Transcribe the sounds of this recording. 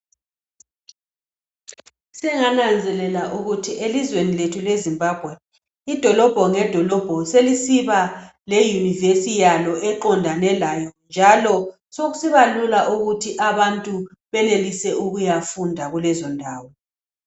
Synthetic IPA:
sɛŋanand͡zʱɛlɛlaʔuɣutʰiʔelizweniletʰulezimbʱab̥ʱwɛ | id̥ʱɔlɔb̥ʱɔŋɛd̥ʱɔlɔb̥ʱɔselisiβa | lɛjunivesijalɔʔɛǃɔndʱanɛlajɔnd͡ʒʱalɔ | soɣusiβalulaʔuɣutʰiʔaβantʼu | βɛnelisɛʔuɣujafundʱaɣulɛzɔndʱaːwɔ

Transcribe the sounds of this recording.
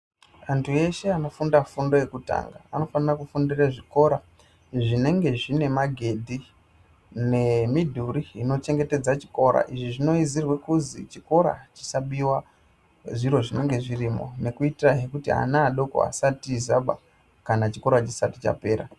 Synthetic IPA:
antʰue̞ʃe̞ano̞fundafundo̞je̞kuta̰ːŋɡaːno̞fanirakufundiraʐiko̞ːɾa | ʐine̞ŋɡe̞ʐine̞maɡʱe̞dʱi | ne̞midʱuɾiːno̞t͡ʃe̞ŋɡe̞te̞d͡zat͡ʃi̥ko̞ɾa̰ʔiʐiʐino̞izirwekuzit͡ʃiko̞ɾa̰t͡ʃi̥saɓiwa | ʐiɾo̞ʐine̞ŋɡe̞ʐirimo̞̰ne̞kuitiraɦe̞kutia̰naːɗo̞ko̰a̰satizaɓa̰ | kanat͡ʃiko̞ɾat͡ʃisatit͡ʃa̰pe̞ːɾa̰

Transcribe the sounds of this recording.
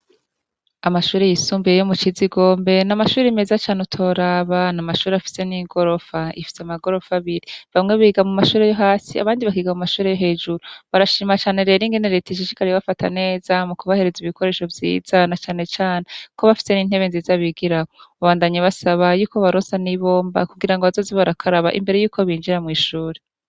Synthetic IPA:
amaʃuːɾejisuːmbijejomut͡ʃiziɡo̞ːmbe̞namaʃuːɾeime̞zat͡ʃaːneutʰo̞ɾaːβanamaʃuːɾeafi̥se̞niːɡo̞ɾo̞faḭfi̥seamaɡo̞ɾo̞faβiɾiβamŋe̞βiːɡamumaʃuːɾejoɦaːsia̰βaːndiβakiːɡamumaʃuːɾe̞joɦe̞ːd͡ʒuɾuβaɾaʃiːmat͡ʃaːne̞ɾe̞ːɾiŋɡe̞neɾe̞ːtaʃ̬iʃi̥kaɾejβafatʰa̰ne̞ːzamukuβahe̞ɾeziβikʰo̞ɾe̞ːʃo̞vjḭːz̥anat͡ʃaːne̞t͡ʃaːnekoβafi̥se̞niːn̥he̞βe̞nziːzaβiɡiɾakoβaβaːndaɲaβasaβajuːkoβaɾoːnsaniβo̞ːmba̰kuɡiɾaŋɡoβazoziβaɾakʰaɾaβa̰ʔḭmbe̞ɾe̞juːkʰo̞βiːnd͡ʒiɾamŋiːʃuːɾe

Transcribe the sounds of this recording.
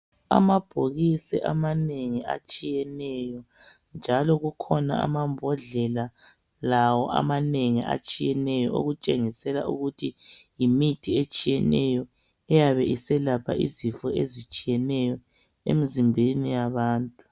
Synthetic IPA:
a̰mab̥ʱoɣisɛ̰ʔamaneŋia̰t͡ʃʼijɛnɛjɔ | nd͡ʒʱalɔɣukʰɔna̰a̰mambʱɔɮɛla | lawɔʔa̰maneŋia̰t͡ʃʼijɛnɛjɔo̰ɣut͡ʃʼeŋisɛla̰ʔṵɣutʰijimitʰiet͡ʃʼijɛnɛ̰jɔ | ɛjaβɛʔisɛlapʰa̰ʔizifɔezit͡ʃʼijɛnɛjɔ | ḛmizimbʱenijaβaːntʼu

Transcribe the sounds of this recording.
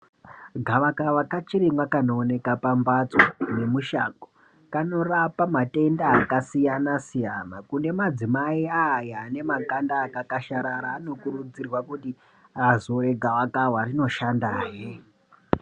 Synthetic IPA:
ɡʱaʋakawakat͡ʃiɾimwakanoːne̞kapambat͡sone̞muʃa̰ko | kano̞rapamate̞ndaːkasijanasijanakune̞mad͡zimaiajane̞makandaːkakaʃaɾaɾaːno̞kuɾud͡zirwakuti | azoɾe̞ɡʱaʋakawarino̞ʃandaːje

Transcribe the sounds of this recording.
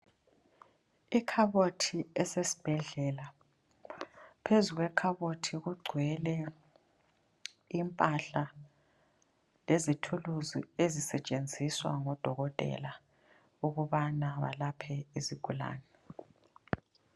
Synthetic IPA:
ikʰaβotʰiɛsesi̥b̥ʱɛɮɛla | pʰezuɣwɛkʰaβotʰiɣuɡ͡ǀʱwɛlɛ | impʼaɬa | lezitʰuluzḭezisɛt͡ʃʼend͡zʱiswa̰ŋɔd̥ʱɔɣɔtʼɛ̰la | uɣuβanaβa̰lapʰɛiziɡ̥ʱula̰ːnɛ

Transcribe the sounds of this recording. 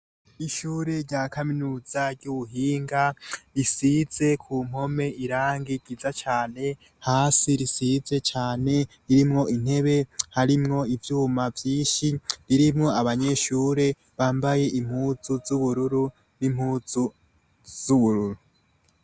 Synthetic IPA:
iʃuːɾe̞ɾɟaːkaminuːzaɾɟuβuɦiːŋɡaɾisize̞kʰum̥ho̞me̞iɾaːŋɡiɡ̥izat͡ʃaːne̞ | haːsiɾisize̞t͡ʃaːne̞ɾiɾimŋo̞in̥he̞βe̞haɾimŋo̞ivjuːmavjiːʃiɾiɾimŋo̞aβaɲe̞ʃuːɾe̞ | βaːmbaje̞ʔim̥huːzuzuβuɾuɾu | nim̥huːz̥u | z̥uβuɾuɾu

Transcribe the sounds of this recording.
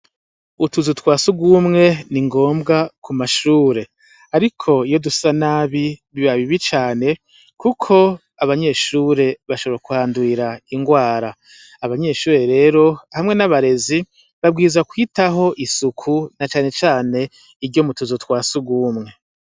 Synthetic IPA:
utuzutwaːsuɡumŋe̞niŋɡo̞ːmbɡakʰumaʃuːɾe̞ | aɾikʰo̞ijo̞dusanaːβiβiβaβiβit͡ʃaːne̞ | kukʰo̞ | aβaɲe̞ːʃuːɾe̞βaʃoβakuhaːnduiɾaiŋɡwaːɾaː | βaɲe̞ʃuːɾe̞ɾe̞ːɾo̞hamŋe̞naβaɾe̞zi | βab̚ɡiːzakwitaɦo̞ʔisukʰunat͡ʃaːne̞t͡ʃaːne̞ | iɾɟo̞mutuzutwaːsuɡuːmŋe̞

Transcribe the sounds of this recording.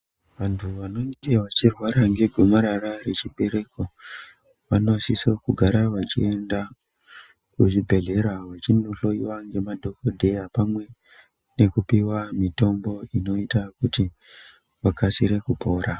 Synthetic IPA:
ʋantʰuʋano̞ŋɡe̞ʋat͡ʃirwaɾaŋɡe̞ɡʱomaɾarare̞t͡ʃiɓe̞ɾe̞ko̞ | ʋano̞sisokuɡʱaɾaʋat͡ʃḭe̞nda | kuʐibʱe̞ɮe̞ɾaʋat͡ʃinuɬo̞iwaŋɡe̞madʱo̞kodʱe̞japamwe̞ | ne̞kupiwamito̞mbo̞ino̞itakuti | ʋakasiɾe̞kupo̞ːɾa

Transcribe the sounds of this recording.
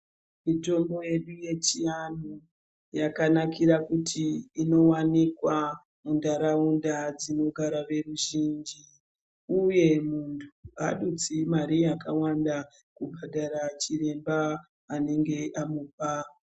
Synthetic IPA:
mito̞mbo̞je̞ɗuje̞t͡ʃijano | jakanakiɾakutʰiːno̞wanikwa | mundaɾaundad͡zino̞ɡʱaɾaʋe̞ruʒiːnd͡ʒi | uje̞muntʰuaɗut͡simaɾijakawanda | kubʱaɗaɾat͡ʃire̞mbaː | ne̞ŋɡe̞ʔamupa

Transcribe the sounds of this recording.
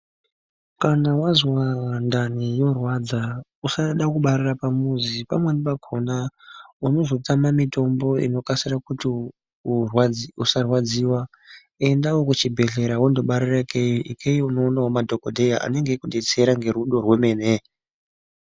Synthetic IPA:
kanawazwandanijo̞rwad͡zausaɗakuɓaɾirapamuzipamwenipaɡʰʱonauno̞zo̞tamamito̞mbo̞ḭno̞kasirakuti | urwusarwad͡ziwa | e̞ndawokut͡ʃibʱe̞ɮe̞ɾawondoɓaɾirakejiʔikʰejiuno̞ːnawomadʱo̞kodʱe̞jaʔa̰ne̞ŋɡe̞kuɗe̞t͡se̞ɾaŋɡeɾuɗo̞rweme̞ne

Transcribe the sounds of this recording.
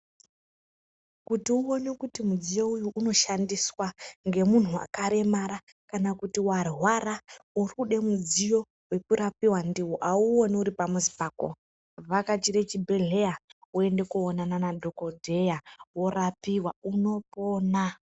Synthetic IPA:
kutiuo̞nekutimud͡zijo̞ujuʔuno̞ʃandiswaŋɡe̞mun̤ua̰kaɾe̞maɾa | kanakutiwarɦwarauruɗe̞mud͡zijo̞ | we̞kuɾapiwandiwoʔauo̞niuɾipamuzipaːko̰ | ʋakat͡ʃiɾe̞t͡ʃibʱe̞ɮe̞aue̞nde̞kuonananadʱo̞kodʱe̞jawo̞rapiwauno̞poːna

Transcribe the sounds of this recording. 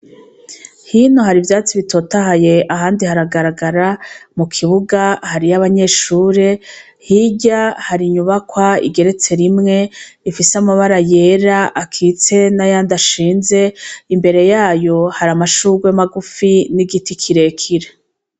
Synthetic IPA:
hinohaɾivjaːt͡siβitʰo̞ːtaɦaje̞ʔaɦaːndihaɾaɡaɾaɡaɾamukʰiβuɡahaɾiaβaɲe̞ːʃuːɾe̞ | hiɟahaɾiɲuβakwaḭɡe̞ɾe̞t͡se̞ɾimŋe̞ifisamaβaɾaje̞ːɾaʔakʰit͡se̞najaːndaʃiːnze̞imbe̞ɾe̞jaːjo̞haɾamaʃuɡwemaɡufiniɡitikʰiɾe̞kʰiɾe

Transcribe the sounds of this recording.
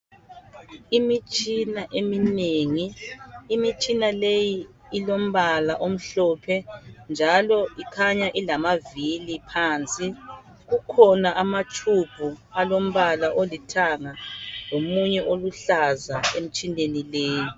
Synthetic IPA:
imit͡ʃʼinaʔemineŋiː | mit͡ʃʼinalejiː | lom̩βalaʔom̩ɬɔːpʰɛnd͡ʒʱalɔikʰaɲaʔilamavilipʰaːnt͡sʼi | ɣukʰɔnaʔamat͡ʃʰub̥ʱualom̩βalaʔolitʰaŋaŋomuɲɛʔoluɬazaem̩t͡ʃʼindenileːji

